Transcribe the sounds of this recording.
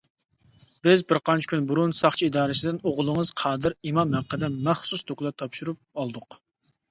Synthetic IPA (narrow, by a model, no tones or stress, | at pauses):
b̥ɪzbɪɾqɑnt͡ʃʰi̥kʲʰynbuɾunsɑχt͡ʃʰiid̪ɑːɾɨsɪd̪ɪnoʁlˠəŋəz̥qʰɑːd̪ɪɾimɑmhæqʰːəd̪ɛmæχsusd̪oklˠɑt̪ʰɑpʃuɾup̚ɑlˠd̪ʊq